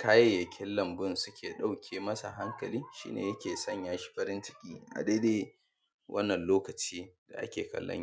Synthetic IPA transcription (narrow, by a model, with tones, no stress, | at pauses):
kʰaː˦je˨jɐ˨kʲʰɪ˦lːɐ˨mbʊ˦nsʊ˦kʲeː˨ɗa˦wkʲʰeː˨mɐ˦sa̰˨ɦa˦ŋkɐ˨liː˦ʃḭː˦nḛː˨jɐ˦kʲeː˨sɐ˦˨ɲjaː˦ʃi̥˦ɸɐ˦ɾɪ˦nt͡ʃɪ̥˦kʲʼḭː˦ʔa̰˨deː˦deː˦ | wʔɐ˦nːɐ˨nloː˦kɐ˨t͡ʃiː˦d̥a̰˨ʔa̰˦kʲeː˨kɐ̰˨lːɐ̰˦ɲi˦